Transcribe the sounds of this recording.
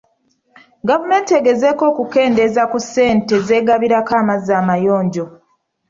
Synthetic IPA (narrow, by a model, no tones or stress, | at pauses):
ɡavume̞ːnte̞ɡe̞ze̞ko̞ːkuke̞ːnde̞zakusːe̞ːnte̞ze̞ːɡaβiɾakaːmazaːmajo̞ːɲɟo̞